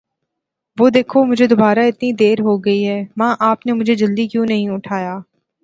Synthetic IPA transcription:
ʋoːd̪eːkʰomʊd͡ʒʱed̪ʊbaːɾaɪt̪nid̪eːɾɦoɡɐiɦɛːmãːʔaːpnemʊd͡ʒʱed͡ʒɐld̪ikjũːnɐɦĩʊʈʰaːjaː

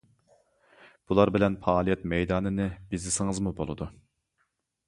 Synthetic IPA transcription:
b̥ulˠɑɾbɪlɛnpʰɑːlˠijɛt̪mɛjd̪ɑːnɨnɨbɪzlɪsɪŋɨzmubolˠɨd̪u

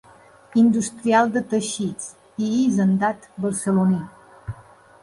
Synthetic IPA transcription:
ind̪ust̪ɾialˠd̪ət̪əʃit͡s | iizənd̪at̪bəɾsəluni

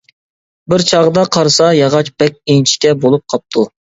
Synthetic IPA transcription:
bɪɾt͡ʃʰɑʁəd̪ɑqʰɑɾɨsɑjɑʁɑt͡ʃb̥ɛk̚ʲint͡ʃʰi̥kʲɛbolˠup̚qʰɑp̚t̪ʰu

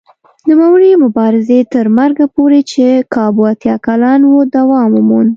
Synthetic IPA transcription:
numawəɾimʊbɑɾɪzet̪əɾmaɾɡapoɾet͡ʃekɑbuat̪jɑkalɑnwod̪awɑmumun

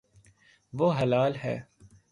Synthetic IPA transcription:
ʋoːɦɐlaːlɦɛ̰ː

